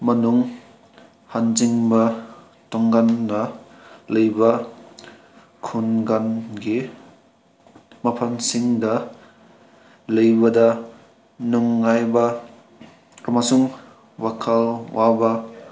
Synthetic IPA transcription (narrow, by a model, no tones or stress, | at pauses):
mɐnuŋ | hanziŋbɐ | tɔŋɡanːɐ | lɐjbɐ | kʰunɡanɡi | mapʰansiŋdɐ | lɯjbɐdɐ | nuŋːajbɐ | amasuŋ | wakʰalwabɐ